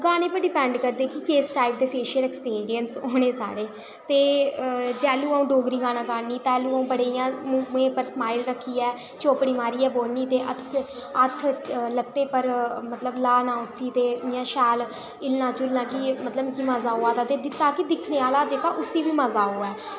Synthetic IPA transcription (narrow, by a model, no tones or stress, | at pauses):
ɡaːneːpəɾɖɪpɛ̃ːɳɖkəɾd̪eːkɪkeːsʈaːɪp̚d̪eːpʰeːʃəɾɛːkspiːɾijənsoːneːsa̰ːɽeː | t̪eːd͡ʒɛːluːaũːɖoːɡɾiːɡaːnãːɡaːniːt̪ɛːluːaũːbəɽeːjãːm̃mẽːpəɾsmaːɪlɾəkʰːiːɛː | t͡ʃoːpɽiːmaːɾiːɛːboːlniːt̪eːʔət̪ʰ | ət̪ʰlət̪ːeːpəɾmət̪ləblaːnãːʊsiːt̪eːjãːʃɛːl | ɪlnãːt͡ʃʊlnãːkɪmət̪ləbkiməzaːɦoːaːt̪aːt̪eːd̪ɪt̪ːaːkɪd̪ɪkʰneːaːlaːd͡ʒeːkaːʔʊsiːʋiːməzaːɦoːɛː